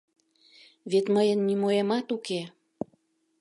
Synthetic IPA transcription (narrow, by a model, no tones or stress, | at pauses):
βet̪məjənːimoemɑt̪uke